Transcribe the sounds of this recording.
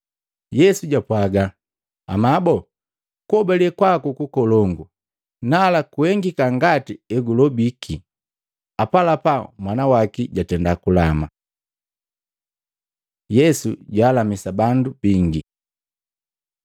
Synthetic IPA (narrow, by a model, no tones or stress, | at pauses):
jɛsuɟapwaɡaː | mabɔ | kuɔbalɛkwakukukɔlɔŋɡu | nalakuhɛŋɡikaŋɡatiɛɡulɔbikʰi | apalapamwanawakiɟatɛndakulama | jɛsuɟaːlamisabandub̥iŋɡi